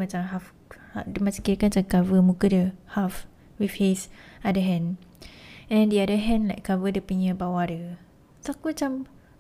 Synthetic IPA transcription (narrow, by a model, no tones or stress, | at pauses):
mat͡ʃamɦaf | adəmat͡ʃãkiɾəkanat͡ʃakavəmukədəhaf | wifhesadəɦɛ̃n | ɛ̃ndiadəɦɛ̃nlajkːavədəpuɲə̃bawadə | t̪akuat͡ʃam